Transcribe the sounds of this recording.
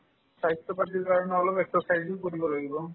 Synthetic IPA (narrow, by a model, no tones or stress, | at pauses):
saɦitːɔpatiɹkaɹɔnɛɔlɔpɛksɔsajzikoɹibɔlaɡibɔ